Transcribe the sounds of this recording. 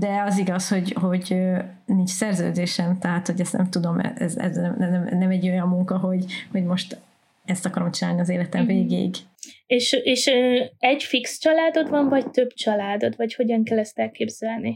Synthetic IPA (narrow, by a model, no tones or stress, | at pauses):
d̪ɛɒziɡɒsho̞ɟho̞ɟø | nint͡ʃsɛrzø̰ːd̪eːʃɛmt̪ɛɦaːt̪ho̞ɟɛst̪ɛ̰mt̪ud̪o̞mɛ̰ɛ̰zɛ̰znɛmɛnɛmnɛmɛɟːo̞jɒmːuŋkɒɦo̞ɟho̞ɟmo̞ʃt̪ | ɛst̪ɒkɒɾo̞mt͡ʃinaːlniɒzeːlɛt̪ɛɱveːɡḛːiɡ | eːʃeːʃøːɛɟfikst͡ʃɒlaːd̪o̞t̪ʋɒɱvɒct̪ø̞b̥t͡ʃɒlaːd̪o̞t̪vɒcho̞ɟɒŋkɛlːɛst̪ɛlkeːbz̥ɛlni